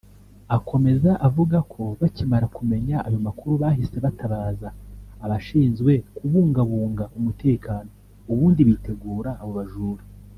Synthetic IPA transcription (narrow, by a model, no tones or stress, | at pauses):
akʰo̞me̞zaʔavuɡakʰo̞βacimaɾakume̞ɲaʔajo̞makuɾuβaːhise̞βatʰaβaːzaːβaʃiːnzɡwe̞kuβuːŋɡaβuːŋɡaumutʰe̞ːkʰaːno̞ | uβuːndiβite̞ɡuːɾaːβo̞βaʒuːɾi